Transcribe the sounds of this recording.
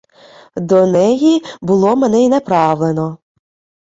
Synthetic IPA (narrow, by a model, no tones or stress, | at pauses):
d̪ɔnɛjibʊlˠɔmenɛinepɾɑʋlˠenɔ